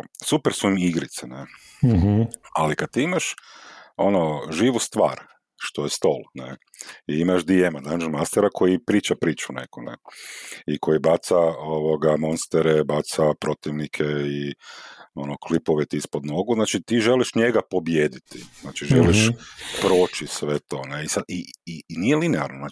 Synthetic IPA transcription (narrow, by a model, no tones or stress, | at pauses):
supeɾsuimiɡɾit̪sene | alikad̪̚t̪iːimaʃ | o̞noʒiːʋust̪ʋa̰ːɾ | ʃt̪ojest̪o̰lnḛ | iimaʒd̪iemad̪anʒemast̪eɾakʰo̞jipɾiːt͡ʃapɾiːt͡ʃunḛkonḛ | ikʰo̞jibat̪saoʋoɡamo̞nst̪eɾebat̪sapɾo̞t̪iʋnikʰei | o̞noklipoʋet̪iispod̪no̞ɡuznaːt͡ʃit̪iʒeliʃɲeɡapo̞bjeːd̪it̪iznaːt͡ʃiʒeliʃpɾo̞ːt͡ʃisʋet̪o̞ːneisad̪inijelineaɾnonaː